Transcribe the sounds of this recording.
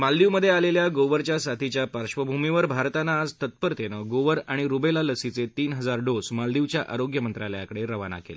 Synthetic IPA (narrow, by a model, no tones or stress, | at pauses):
mald̪iʋməd̪ʱːjealeljaɡoʋəɾt͡ɕjasat̪ʰit͡ɕjapəɾɕʋəbʱumiʋəɾbʱaɾt̪anaːd͡zt̪ət̪̚pəɾt̪enəɡoʋəɾaɽ̃iɾubelaləsit͡set̪iːnɦəd͡zaɾɖosmald̪iʋt͡ɕjaʔʔaɾoɡjəmənt̪ɾaljakəɽeɾəʋana̰kelə